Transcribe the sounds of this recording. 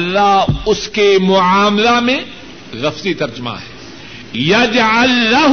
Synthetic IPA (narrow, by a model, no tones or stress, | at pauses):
lːaɦʊskemʊʕaːmlamẽ | ɣɐfzit̪ɐɾd͡ʒma̰ɦɛː | jɐd͡ʒʕalːɐɦ